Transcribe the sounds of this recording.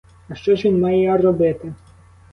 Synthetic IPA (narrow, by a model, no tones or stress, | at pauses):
ɐʃt͡ʃɔʃʋinʲmɑjɛjarɔbɪt̪ɪ